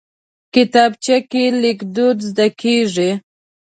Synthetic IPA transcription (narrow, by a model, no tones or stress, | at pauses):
kɪt̪ɑbt͡ʃakelɪkd̪ud̪zd̪akʰeʐi